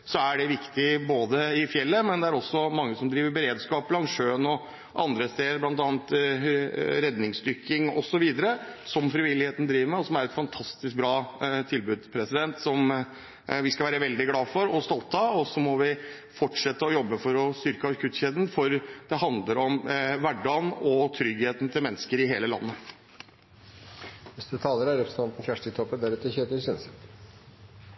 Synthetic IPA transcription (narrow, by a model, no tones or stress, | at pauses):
sɔæɖɛʋɪkt̪ɪboːd̪əɪfjɛlːəmɛnd̪ɛæɾɔsːɔmɑŋːəsɔmd̪ɾiːʋəɾbəɾeːd̪skɑːp̚blɑŋʂøːnɔ | ʔɑ̰nd̪ɾəst̪eːəɾblɑnt̪ɑːnt̪ | ɾɛd̪nɪŋsd̪ʏɾkɪŋɔ̰sɔʋiːd̪əɾəsɔmfɾɪʋɪlːɪheːt̪n̩d̪ɾiːʋəɾmɛɔsɔmæɾɛt̪fɑnt̪ʰɑst̪ɪsk̚bɾɑːt̪ʰɪlbʉːd̪pʰɾɛsɪd̪ɛnt̪sɔm | ʋɪskɑʋæːɾəʋɛld̪ɪɡlɑːfɔɾɔst̪ɔlt̪ʰːɑɔsɔmɔʋɪ | fɔʈʂɛt̪ːəɔjɔbːəfɔɾɔst̪ʏɾkəɑɾkʰʉt̪ɕeːd̪n̩fɔɾd̪̥ɛɦɑnd̪ləɾɔmʋæɖːɑnɔt̪ʰɾʏɡheːt̪n̩t̪ʰɪlmɛnːəskəɾɪɦeːləlɑ̰nːə | ʋɛsd̪ʉt̪ʰɑːləɾɑɾɛpɾsʰɑnt̪n̩fjæʂʈɪt̪ʰɔpːəd̪æɾʉːt̪əçøːt̪əsʏns